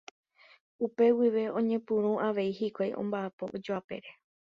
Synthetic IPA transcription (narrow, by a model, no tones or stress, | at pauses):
upe̞wiʋe̞õɲẽ̞pũɾ̃ũʔaʋe̞ihikʷajʔõ̰mbaapo̞ʔod͡ʒoape̞ɾe̞